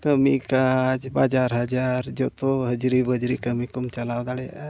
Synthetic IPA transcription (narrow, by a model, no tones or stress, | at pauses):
kəmikad͡ʒbad͡ʒaɾɦəd͡ʒaɾd͡ʒɔt̪ɔɦəd͡ʒɾibəd͡ʒɾikəmikumt͡ʃalawd̪aɽɛ